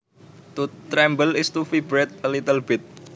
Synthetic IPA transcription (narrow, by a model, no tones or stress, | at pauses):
t̪ut̪ɾɛmbəlist̪ufibɾɛt̪̚əlit̪əlbɪt̪̚